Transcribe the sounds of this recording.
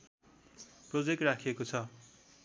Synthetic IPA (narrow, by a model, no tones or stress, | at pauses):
prod͡zek̚ʈrakʰiekot͡sʰʌ